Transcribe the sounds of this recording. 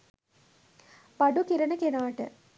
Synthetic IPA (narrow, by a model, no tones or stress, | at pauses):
paɖukiɾɐnəkenaːʈə̰